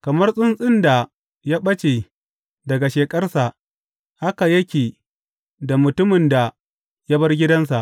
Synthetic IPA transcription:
kɐ˨mɐ˦rsʼʊ˦nsʼɪ˦nda˨ | jaː˦ɓɐ˦t͡ʃe˨ | dɐ˨ɡa˨ʃeː˨kʼɐ˦rsa˨ʔ | ha˦ka˨jɐ˦kʲeː˨ | da˨mʊ˨tʊ˦mɪ˨nda˨ | ja˦bɐ˦rɡʲɪ˦dɐ˦ns̬a˨ʔ

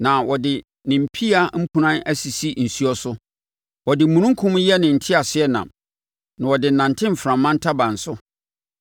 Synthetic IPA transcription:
nã˨wɔ˨dɪ˨ | nɪ̃˨m̩˨pʰi˦a˦m̩˦kʰũ˦nã˦næ˦si˨si˦n̩˨su˦ɔ˦sʊ˦ | wɔ˨dɪ˨mũ˨nũ˦ŋ˦kʰũ˦mjɛ˦nɪ̃˨n̩˨tʰɪ˦a˨sɪ˦ɛ˦nã̰˨m | nã˨wɔ˨dɪ˨nã˨ntʰɪ̃˦m̩˨fɾã˨mːã˦n̩˦tʰa˦bã˨n̩˨sʊ˦

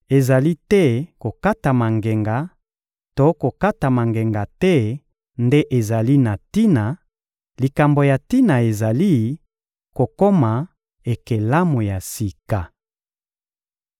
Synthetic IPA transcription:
e˨za˨li˦tɛ˦ko˨ka˦ta˨ma˨ŋɡe˨ŋɡa˨ | to˦ko˨ka˦ta˨ma˨ŋɡe˨ŋɡa˨tɛ˦ | nde˦ʔe˨za˨li˦na˨ti˦na˨ | li˨ka˨mbo˨ja˨ti˦na˨e˨za˨li˦ | ko˨ko˦ma˨ | e˨ke˨la˦mo˨ja˨si˨ka˨

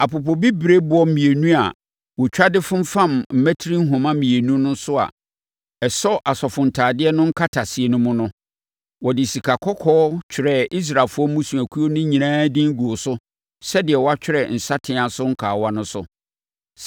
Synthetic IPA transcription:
a˨pʊ˨pɔ˨bi˦bɾe˦bʊ˨ɔ˦m̩˦mĩ˨e˨nũ˦a̰˨ | wɔ˨t͡ɕᶣa˦dɪ˦fʊ̃˦m˦fã˦mm̩˨mæ˦tʰi˦ɾĩ˦ŋ̩˦ɦʊ̃˨mã˦mĩ˨e˨nũ˦nʊ̃˦n˦sʊ˦a̰˨ | ɛ˨sɔ˦ʔa˨sɔ˨fʊ̃˨ntʰaː˨dɪ˦ɛ˦nʊ̃˦ŋ̩˦kʰa˦tʰa˨sɪ˨e˨nʊ̃˦mʊ̃˦nʊ̃˦ | wɔ˨dɪ˨si˨kʰa˨kʰɔ˦kʰɔː˦t͡ɕᶣʰɪ˨ɾɛ˦˨i˦s̬ɾa˨fʊ˦ɔ˦mũ˦sũ˨æ˨kʰu˦o˦nʊ̃˦ɲĩ˨ãː˦dɪ̃˦ŋ̩˦ɡu˨o˨sʊ˦ | sɛ˦dɪ˨ɛ˨wɔ˦a˦t͡ɕᶣɪ˦ɾɛ˨n̩˨sa˦tʰɪ̃˨˦ã˨sʊ˦ŋ̩˦kʰaː˨wa˦nʊ̃˦sʊ̰˨

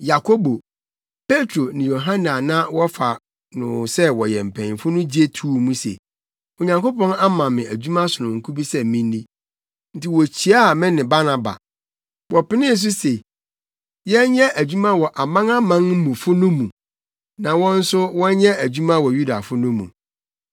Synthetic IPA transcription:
ja˨kʰo˦bo˨ | pe˦tʰɾo˨nɪ̃˨jo˨ɦã˦na˨nã˦wɔ˦fa˨ | nʊ̰̃˨sɛ˦wɔ˨jɛ̃˨m̩˨pʰɛ̃˨ñ˨fʊ˦nʊ̃˦d͡ʑi˦e˦tʰuː˦mũ˦sḛ˨ | ɔ˨ɲã˨ŋko˦pɔ̃˦na˦mã˨mɪ̃˨æ˨d͡ʑu˦mã˦sʊ˨nʊ̃˨ŋ̩˨kʰu˦bi˦sɛ˦˨mĩ˦n˦di˦ | n̩˦tɪ˨wɔ˨t͡ɕʰi˨a˦˨mɪ̃˦nɪ̃˨ba˦na˨ba̰˨ | wɔ˨pɪ˦nɪ̃˦s̬ʊ˦se˨ | jɛ˦ɲɛ˦ʔæ˨d͡ʑᶣu˦mã˦wɔ˨ʔa˨mã˦ŋa˦mã˦ŋ˦mũ˨fʊ˦nʊ̃˦mũ˨ | nã˨wɔ̃˦n̩˦sʊ˦wɔ̃˦ɲɛ̃˦æ˨d͡ʑᶣu˦mã˦wɔ˨ju˦da˨fʊ˦nʊ̃˦mṵ̃˨

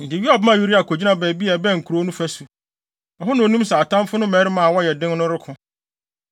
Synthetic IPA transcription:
n̩˨dɪ˨ɥi˦a˨bɪ˦mã˨ju˦ɾi˦a˨kʰo˨d͡ʑi˦nã˦bɛː˨˦bi˦ɛ˨bɛ˦˨ŋ̩˨kʰu˨ɾo˦nʊ̃˦fæ˦su˨ | ɔ˨ɦʊ˦nã˨o˨nũ˦m˦sɛ˨a˨tʰã˦mfʊ˦nʊ̃˦mɛ̃˨˦ɾɪ˦mã˨a˨wɔ˦jɛ˨dɪ̃˦ŋnʊ̃˦ɾɪ˦kʰʊ̃˨

